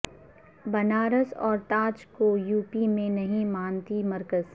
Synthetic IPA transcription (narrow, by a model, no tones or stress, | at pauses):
bɐnaːɾəsɔːɾt̪aːt͡ʃkojuːpimẽnɐɦĩmaːnt̪imɐɾkəz